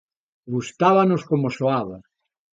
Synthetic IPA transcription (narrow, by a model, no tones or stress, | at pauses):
ɡust̪aβanoskomosoaβa